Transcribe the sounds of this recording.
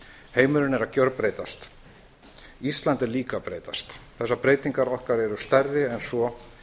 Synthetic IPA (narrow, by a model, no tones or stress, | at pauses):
heːjmʏɾʏnɛɾacœɾpɾeːjt̪ast̪ | ist̪lant̪ɛɾliːkapɾeːjt̪a̰st̪θɛsːapɾeːjt̪iŋkaɾɔhkaɾɛɾʏst̪ɛɾðɪɛnsɔ